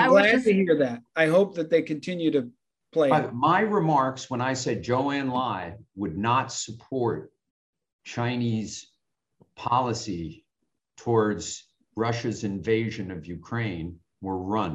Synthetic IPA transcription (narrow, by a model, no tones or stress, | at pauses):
tɨhiɹðæt̚aɪɦoʊp̚ðɨt̪̚ðeɪkɨ̃ntʰɪ̃njʉɾɨ | pʰl̥eɪmaɪɹɨmɑɹkswə̃ñaɪsɛd̚d͡ʒoʊæ̃nlaɪwədⁿnətsəpʰɔɹt̚ | t͡ʃʰãɪ̃niz̥ | pʰɑlˠəsi | tʰɔɹdz̥ | ɹʌʃɨzɨ̃ɱveɪʒɨ̃nʌvjʉkʰɹ̥ẽɪ̃n | wə˞ɹʌ̃n